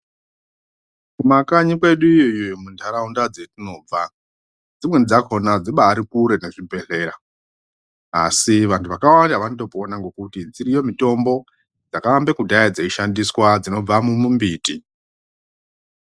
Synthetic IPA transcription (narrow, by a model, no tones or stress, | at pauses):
kumakaɲikwe̞ɗuijojomundʰʱaɾaundad͡ze̞tino̞ːb͡va | d͡zimwend͡zako̞nad͡ziɓaːɾikuɾe̞ne̞ʐibʱe̞ɮe̞ːɾa | a̰siʋantʰuʋakawandaʋanoto̞poːnaŋɡo̞kutid͡ziɾijo̞mito̞mbo̞ | d͡zakaambekudʱaad͡zeiʃandiswad͡zino̞b͡vamumumbiːti